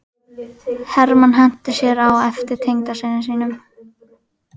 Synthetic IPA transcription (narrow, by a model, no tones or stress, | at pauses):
hɛɾmanɦɛn̥t̪ɪsjɛɾawɛft̪ɪɾ̥t̪ʰejŋk̪aseːðɪnsiːnʏm